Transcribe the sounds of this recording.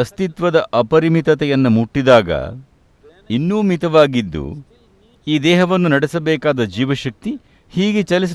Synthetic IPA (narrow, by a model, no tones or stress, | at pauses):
ɐst̪it̪ʋɐd̪ɐʔɐpɐɾimit̪ɐt̪ɛjɐnːumuʈːid̪aːɡɐ̰ | inːuːmit̪ɐʋaːɡid̪ːṵ | iːd̪ɛːɦɐʋɐnːunɐɽesɐbɛːkaːd̪ɐd͡ʒiːʋɐʃɐk̚t̪i | hiːɡet͡ʃɐlis̬